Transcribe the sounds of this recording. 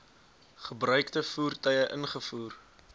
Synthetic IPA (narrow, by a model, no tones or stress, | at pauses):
χəbrœɥktəfuːrtœɥəʔənχəfuːr